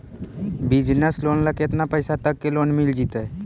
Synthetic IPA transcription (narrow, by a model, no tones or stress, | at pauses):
bid͡ʒnəsloːnləkeet̪napəɪsat̪əkːeloːnmild͡ʒit̪ə